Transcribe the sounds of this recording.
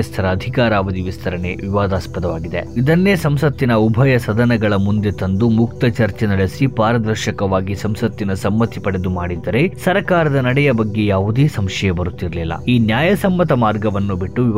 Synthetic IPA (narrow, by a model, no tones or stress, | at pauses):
ɐst̪ʰɐɾɐːd̪ʱikaːɾaːʋɐd̪iʋist̪ʰɐɾɐne̞ʋiʋaːd̪aːspɐt̪ɐʋaːɡid̪e̞̰id̪ɐnːe̞ːsɐmsɐt̪ːinɐubʱɐjɐsɐd̪ɐnɐɡɐɭɐmund̪e̞t̪ɐnd̪umuk̚t̪ɐt͡ʃɐɾt͡ʃenɐɭesipaːɾɐd̪ɐɾʃɐkɐʋaːɡisɐmsɐt̪ːinɐsɐmːɐt̪ːipɐɽe̞d̪umaːɽid̪ːɐɾe̞ssɐɾɐkaːɾɐd̪ɐnɐɽɛjɐbɐɡːe̞jaːʋud̪eːsɐmʃɐjɐbɐɾut̪ːiɾɐlilːɐ̰iːnjaːjɐsɐmːɐt̪ɐmaːɾɡɐʋɐnːubiʈːuʋi